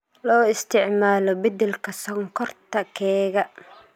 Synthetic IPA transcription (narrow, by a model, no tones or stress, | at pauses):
lɔːɪst̪ʰɪʕmaːlɔbɪd̪ɪlkʰɐsɔŋkʰɔrt̪ʰɐkʰɛːɣɐ